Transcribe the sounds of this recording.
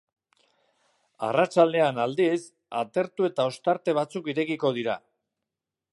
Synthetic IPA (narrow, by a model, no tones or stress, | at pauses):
a̰rat͡ʃald̪e̞anald̪is | a̰t̪e̞ɾt̪ue̞t̪ao̞st̪aɾt̪e̞β̞at͡sukiɾe̞kiko̞ð̞iɾa